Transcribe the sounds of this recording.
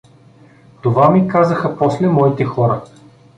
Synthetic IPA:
t̪ovamikazəxəpɔslɛmɔit̪ɛxɔɾə

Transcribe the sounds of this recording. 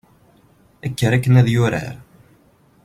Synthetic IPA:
ækːəɾækːənæðjʊɾə̰ɾ

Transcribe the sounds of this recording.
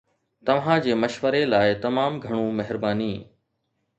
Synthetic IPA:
t̪ɐʋ̤ãd͡ʑeːmɐʃʋəɾelaːɪt̪ɐmaːmɡʱɐɽ̃ũmɐɦɪɾbaːniː

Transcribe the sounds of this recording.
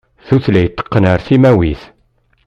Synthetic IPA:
θuθlæjət̪ːə̥qːənəɾθimæwiθ

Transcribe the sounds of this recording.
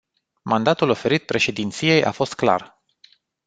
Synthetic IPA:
mand̪at̪ulo̞fe̞ɾit̪̚pɾe̞ʃe̞d̪int̪sije̞jʔa̰fo̞st̪̚kla̰r

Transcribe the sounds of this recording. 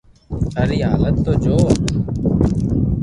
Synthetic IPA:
əɾiːɦaːlət̪ːoːd͡ʒoː

